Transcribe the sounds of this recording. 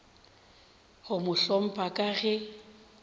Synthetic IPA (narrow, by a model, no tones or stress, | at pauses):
ɣʊmʊɬɔm̩pʰʼakʼaɣɛ